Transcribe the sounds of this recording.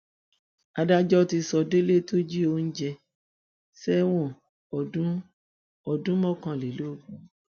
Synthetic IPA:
a˧da˦d͡ʒɔ˦ti˧sɔ˧de˦le˦to˦d͡ʒi˦o˧˦n̩˦d͡ʒɛ˧ | sɛ˦w̃ɔ̃˦˨ | ɔ˨dũ˨˦ | ɔ˨dũ˨˦mɔ̃˦˨kã˧˨le˨lo˨˦˨ɡu˨˦

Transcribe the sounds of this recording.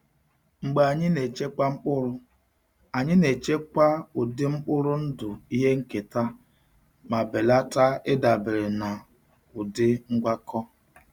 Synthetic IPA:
ŋ͡m̩˨ɡ͡ba˨a˨ɲɪ˦ne˨t͡ʃe˦ka˦ŋ͡m̩˦k͡pʊ˦ɾʊ˦ | a˨ɲɪ˦ne˨t͡ʃe˦kʷa˦ʊ˨dɪ˦ŋ͡m̩˦k͡pʊ˦ɾʊ˦n̩˦dʊ˨i˦ɦe˦ŋ̩˦ke˨ta˦ | ma˨be˨la˦ta˦ɪ˦da˨bɪ˨ɾɪ˨na˨ | ʊ˨dɪ˦ŋ̩˦ɡʷa˦kɔ˦

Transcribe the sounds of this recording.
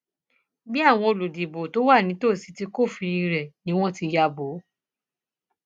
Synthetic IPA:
bi˦a˦˨w̃ɔ̃˧o˧lo˨di˨bo˨to˨˦wa˦˨nĩ˨˦to˦˨si˨˧˦ti˧ko˦˨fi˧ɾi˧ɾɛ˨nĩ˦w̃ɔ̃˦˨ti˧ja˧bo˨˦

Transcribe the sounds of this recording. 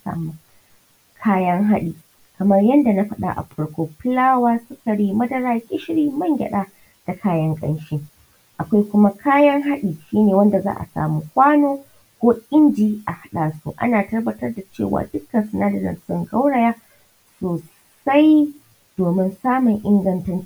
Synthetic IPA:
sa̰ː˨mu˦ | kʰaː˦jɐ˦ŋɦa˦ɗiː˨ | kɐ˨mɐ˦rjɐ˦nda˨na˦ɸɐ˦ɗa̰˦˨ʔa̰˨ɸɐ˦ɽkʷoː˨pɪ˦laː˦waː˦sʊ˦kɐ˨ɽiː˦mɐ˦dɐ˦ɾaː˦kʲʼɪ˦ʃɪ˦ɽiː˦mɐ˦ŋɡʲɐ̰˨ɗaː˦ | d̥a˨kʰaː˦jɐ˦ŋkʼɐ̰˦nʃɪ˦ | ʔa˨kʷa˦jkʷʊ˦ma˦kʰaː˦jɐ˦ŋɦa˦ɗiː˨ʃiː˦neː˨wɐ˦nda˨za̰ː˦ʔa̰˨sa̰ː˨mu˦kʷaː˦noː˦ | kʷoː˦ʔʲʼɪ˦nd͡ʒiː˦ʔa˨ha˦ɗaː˨sṵ˦ʔa̰˦naː˨tɐ˦rbɐ˨tɐ˦rda˨t͡ʃḛː˦˨wa̰ː˨dʊ˦kːɐ˨nsɐ˨naː˦dɐ˨ɾɐ̰˨nsʊ˦ŋɡɐ˦wɽa˨jaː˦ | soː˨ | sa˦j | d̥oː˨mɪ˦nsaː˦mʊ˨ŋʔɪ˦ŋɡɐ˦ntɐ˦n˦

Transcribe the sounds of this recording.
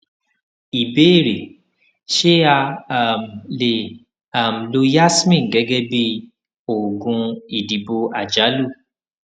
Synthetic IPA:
i˨be˦e˦˨ɾe˨ | ʃe˦a˧a˨m˨le˨ | a˨m̩˨lo˧ja˦smĩ˦˨ɡɛ˨˦ɡɛ˦bi˦ | o˨ɡũ˧i˨di˨bo˧a˨d͡ʒa˨˦lu˦˨

